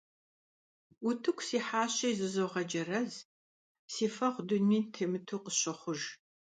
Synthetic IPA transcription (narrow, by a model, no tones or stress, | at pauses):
ʊtʰɨkʷʰsiːħaːɕɐjzɨzowʁɐd͡ʒɐrɐz | siːfɐʁʷdʊnːiːtʰeːmɨtʰuːqəsɕɐχʷʊʒ